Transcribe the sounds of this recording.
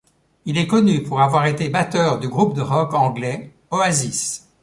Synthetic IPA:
ilɛkɔnypuʁavwaʁet̪ebat̪œʁd̪yɡʁup̚d̪əʁɔkɑ̃ɡlɛ | oazis

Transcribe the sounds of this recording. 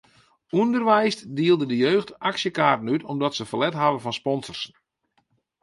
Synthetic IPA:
undərʋɛjsdiəlˠdədəjøːxtaksjəkaːrtən̩ytʰɔmdɔtsəfəlɛtɦavəvɔnspɔnzərs

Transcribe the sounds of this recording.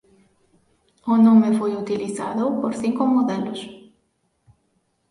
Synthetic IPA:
ʊnõmefojut̪iliθa̰ðopoɾθiŋkomoðelos

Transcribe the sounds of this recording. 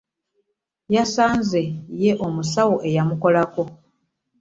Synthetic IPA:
jasaːnze̞je̞ʔo̞musawoʔe̞jamuko̞lako̞

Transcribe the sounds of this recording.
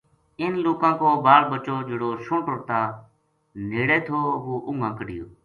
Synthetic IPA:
ɪnloːkãːkoːbaːlbət͡ʃoːd͡ʒeːɽoːʃʊ̃ɳʈʊɾt̪aː | neːɽeːt̪ʰoːʋoːʔʊŋɡãːkəɖɪjo̰ː

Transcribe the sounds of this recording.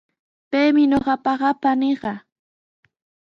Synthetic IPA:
pejmɪɲoɢɑpɑɢɑpanɪɢɑ

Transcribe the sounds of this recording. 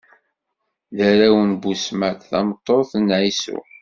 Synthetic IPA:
ðəɾæwənbusmæt̪θɑ̰mət̪ˤːoθnʕisṵ

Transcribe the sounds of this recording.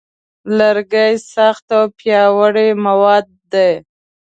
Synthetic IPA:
laɾɡajsaxt̪awpjɑwəɽemawɑd̪̚ːaj

